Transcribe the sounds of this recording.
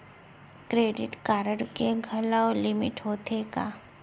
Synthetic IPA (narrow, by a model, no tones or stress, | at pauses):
kɾeːɖɪʈkaːɾəɽkeɡʱɐlalɪmɪʈɦoːt̪ʰeɡaː